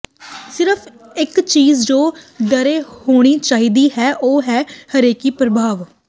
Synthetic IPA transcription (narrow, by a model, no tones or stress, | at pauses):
sɪɾəpʰ | ɪkt͡ʃiːzd͡ʒoːɖəɾeːhoːɽ̃iːt͡ʃaːiːd̪iːɦɛːʔoːɦɛːhəɾeːkiːpɾəbʱaːʋ